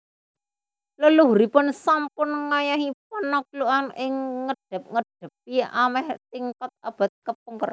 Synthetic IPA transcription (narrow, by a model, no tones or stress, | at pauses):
loluɦuɾipʊnsampʊnŋajaɦipɔnːɔk̚luʔanʔɪŋːəɖ̥ə̤p̚ŋəɖ̥ə̤p̚iamɛht̪iŋkɔt̪̚ab̥a̤t̪̚kəp̚uŋkər